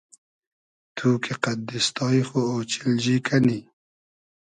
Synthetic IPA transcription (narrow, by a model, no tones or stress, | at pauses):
t̪ʰuːkeqad̪ist̪ɑːixooːt͡ʃɪlʒikʰani